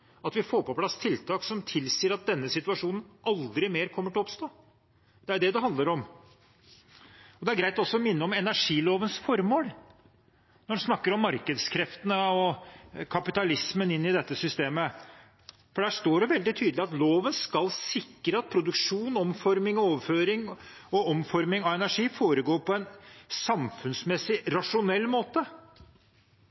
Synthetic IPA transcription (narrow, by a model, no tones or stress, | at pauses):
ɑt̪ʋɪfoːɾpɔpʰlɑst̪ʰɪlt̪ʰɑːksɔmt̪ʰɪlsiːəɾɑt̪̚d̪ɛnːəsɪt̪ʉɑʂuːnən̩ɑld̪ɾɪmeːɾkʰɔmːəʈɪɔpst̪oː | d̪̥ɛæɾd̪ɛd̪ɛɦɑnd̪ləɾɔm | ɔd̪ɛæɾɡɾæɪt̪ɔsːɔɔmɪnːəɔmɛnæʂiːloːʋənsfɔɾmoːl | nɔɖɛsnɑkːəɾɔmːɑɾkəd̪skʰɾɛft̪ənəɔkʰɑpɪt̪ɑlɪsmənɪnːɪd̪ɛt̪ːəsʏst̪eːmə | fɔɖæːʂt̪oːɖɛʋɛld̪ɪt̪ʰyːd̪lɪɑt̪loːʋənskɑlsɪkːɾəɑt̪̚pʰɾʊd̪ʉkʂuːnɔmfɔɾmɪŋɔoːʋəføːɾɪŋɔɔmfɔɾmɪŋɑʋɛnæʂiːfoːɾəɡoːɾpʰɔɛnsɑmfʉnsmɛsːɪɾɑʂʊnɛlːmoːt̪ə